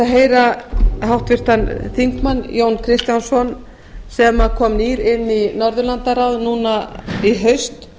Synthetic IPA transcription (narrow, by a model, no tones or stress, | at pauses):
aɦejɾahawht̪vɪr̥t̪anθiŋkmanːjoːwnkʰɾɪst̪jansɔn | sɛmakʰɔmniɾɪnːinɔɾðʏlant̪aɾawðnuːnaiɦœɥst̪